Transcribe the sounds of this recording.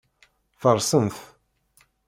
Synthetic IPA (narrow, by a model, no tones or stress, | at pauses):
fəɾˤsənθ